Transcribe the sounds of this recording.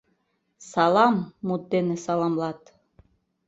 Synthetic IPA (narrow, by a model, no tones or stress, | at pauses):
sɑlˠɑmːut̪̚d̪enɘ̆sɑlˠɑmlˠɑt̪